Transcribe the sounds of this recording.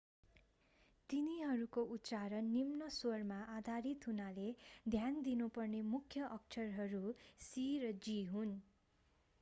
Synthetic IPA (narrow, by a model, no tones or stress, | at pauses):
t̪iniɦʌɾukoʔut̪t͡saɾʌnːimnʌsormaʔad̪ʱaɾit̪ɦunaled̪ʱjand̪inupʌrnemukʰjʌʔʌk̚t͡ʃʰʌrɦʌɾusiɾʌd͡ziɦun